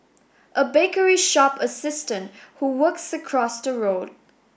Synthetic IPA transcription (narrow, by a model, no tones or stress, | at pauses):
ʔəbekəɹiʃɔpəsɪstə̃nthuwəksəkʰɹ̥ɔsðəɹod